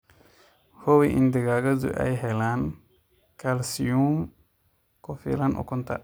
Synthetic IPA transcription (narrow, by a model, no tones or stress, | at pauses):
howiʔḭnd̪iɡaɡazṵʔa̰jɦɛlan | kalsium | kɔfḭlanʔɔ̰kunt̪a̰